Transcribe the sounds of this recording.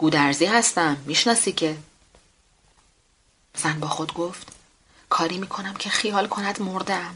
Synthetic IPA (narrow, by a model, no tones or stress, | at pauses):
ɡ̥uːd̪æɾziːhæst̪æmːiːʃnɒːsiːcʰe̞ | z̥ænbɒːxo̞d̪ɡo̞ft̪ | kʰɒːɾiːmiːkʰo̞næmcʰe̞xijɒːlkʰo̞næd̪moɾd̪æm